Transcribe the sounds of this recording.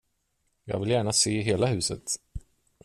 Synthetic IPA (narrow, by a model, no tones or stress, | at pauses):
jɑ̰ːɡvɪljæːɳaseːɦeːlahʉ̟ːsə̰t̪